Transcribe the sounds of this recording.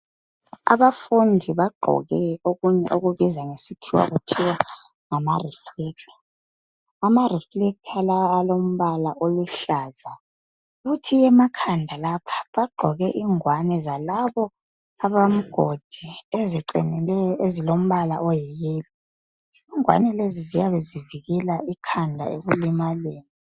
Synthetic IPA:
a̰βafundʱiβaɡ͡ǃʱɔ̰ɣɛoɣuɲɛ̰ʔoɣuβizaŋesikʰiwa̰ɣutʰiwa | ŋamariflɛk̚tʰḁ | amarɛflɛk̚tʰalawalom̩βalaʔoluɬaːza | βutʰijɛmakʰandʱalapʰḁβaɡ͡ǃʱɔɣɛʔiŋwanɛzalaβɔ | aβam̩ɡ̥ʱod̥ʱieziǃinɛɛjɔʔezilom̩βala̰ʔɔjɛɣɛːlɛ | iŋwa̰nɛlezizijaβeziviɣɛlaikʰandʱa̰eɣulimaleːni

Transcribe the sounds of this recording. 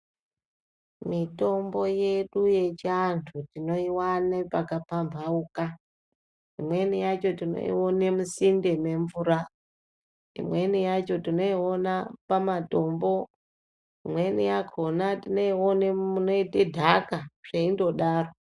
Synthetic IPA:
mito̞mbo̞je̞ɗuje̞t͡ʃantʰutino̞iwanepakapambʱauka | imwe̞nijat͡ʃo̞tino̰ḭonemusinde̞me̞ɱvuɾa | ḭmwe̞nijat͡ʃo̞tino̞io̞napamato̞mbo̞ | imwe̞nijakʰonatinoionemuno̞itedʱakaʐ̥eindo̞ɗaːro

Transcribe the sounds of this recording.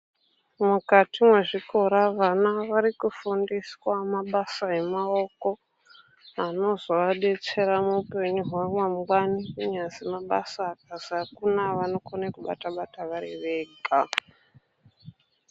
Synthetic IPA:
mukatimwe̞ʐiko̞ɾaʋanaʋaɾikufundiswamaɓasae̞mao̞ko̞ | ano̞zoaɗe̞t͡se̞ɾamuupe̞ɲuɦwamwamɡwanikuɲazimaɓa̰saːkazakunaʋano̞konekuɓa̰taɓataʋaɾḛʋeːɡa

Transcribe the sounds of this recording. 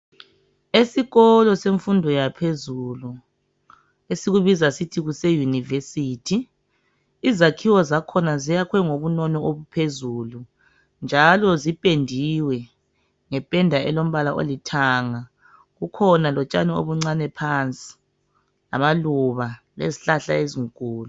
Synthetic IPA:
esiɣɔlɔseɱfundʱɔjapʰezulu | esiɣuβizasitʰiɣusɛjunivesiːtʰiː | zakʰiwɔzakʰɔnazijakʰwɛŋoβunɔnɔoβupʰezulu | nd͡ʒʱalɔzipʼendʱiwɛ | ŋɛpʼɛndʱaʔɛlom̩βalaʔo̰litʰaːŋa | ɣukʰɔnalɔt͡ʃʼanɛo̰βuŋ͡ǀanɛpʰant͡sʼi̥ | la̰maluβa | lḛziɬaɬa̰eziŋkʼuːlu

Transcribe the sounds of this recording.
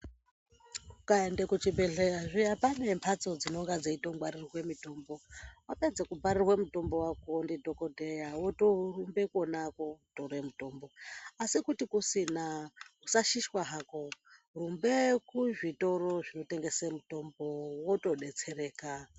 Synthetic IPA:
kukaendekut͡ʃibʱeɮeaʐijapane̞mpʰat͡so̞d͡zino̞ŋɡad͡zeito̞ŋɡwarirrwe̞mito̞mbo̞wape̞d͡zekubʱaɾirwe̞muto̞mbo̞wakondidʱo̞kodʱejawotorumbe̞konakotore̞muto̞mbo̞asikutikusinakusaʃiʃwaɦako̞ | rumbekuʐito̞ɾo̞ʐino̞te̞ŋɡe̞semuto̞mbowoto̞ɗe̞t͡se̞re̞ːka

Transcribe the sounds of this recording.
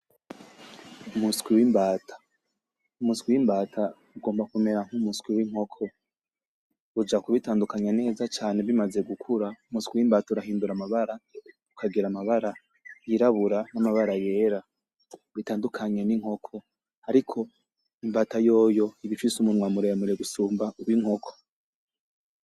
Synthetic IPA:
umuskwiwimbaːtʰḁ | umuskwiwimbaːtʰa | uɡo̞ːmbakume̞ɾaŋ̥humuskwiwiŋ̥o̞kʰo̞ | ud͡ʒakuβitaːndukaɲane̞ːzat͡ʃaːne̞βimaze̞ɡukʰuɾaumuskwiwimbaːtauɾaɦiːnduɾamaβaɾa | ukʰaɡiɾamaβaɾa | jiɾaβuɾanamaβaɾaje̞ːɾa | βitaːndukʰaɲe̞niŋ̥ho̞kʰo̞ | haɾikʰo̞ | imbaːtajo̞ːjo̞iβifisumunwaːmuɾejamuɾeɡusuːmbauwiŋ̥ho̞kʰo̥

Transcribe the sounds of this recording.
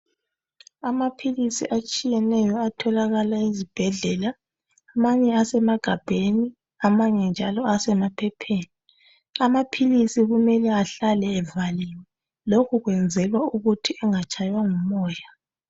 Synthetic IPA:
amapʰilisḭʔat͡ʃʼijɛnɛjɔatʰɔlaɣalaizib̥ʱɛɮɛːlaː | maɲɛasɛmaɡ̥ʱab̥ʱeni | amaɲɛnd͡ʒʱalɔasɛmapʰɛpʰeːni | amapʰilisiɣumɛlɛaɬalɛːvaliwɛ | lokʰuɣwɛnd͡zʱɛlwauɣutʰiɛŋat͡ʃʼajwaŋumɔːja

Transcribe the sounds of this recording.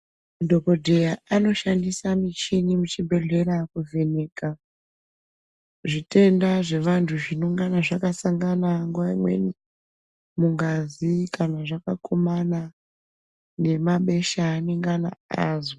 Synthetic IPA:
mudʱoko̞dʱe̞jaano̞ʃandisamit͡ʃinimut͡ʃibʱe̞ɮe̞ɾakuve̞ne̞ːka | ʐite̞ndaʐe̞ʋantʰuʐinuŋɡanaʐakasaŋɡanaŋɡuʋaimwe̞̰ni | muŋɡazikanaʐakakʰomana | ne̞maɓe̞ʃaːneŋɡana̰a̰ːzo

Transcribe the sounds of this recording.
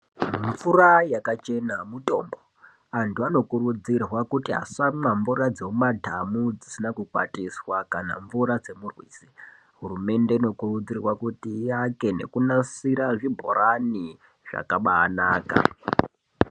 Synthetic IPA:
muɱfurajakat͡ʃe̞namuto̞mbo | antuano̞kurud͡zirwakutiɦa̰sammaɱvurad͡zeumadʱamud͡zisinakukwa̰tiswakana̰ɱvuɾad͡ze̞murwḭːsi̥ | ɦurume̞ndeino̞kurud͡zirwakutiake̞ne̞̰kunasiɾaʐibʱo̞̰ɾani | ʐa̰kaɓaːnaːka̰

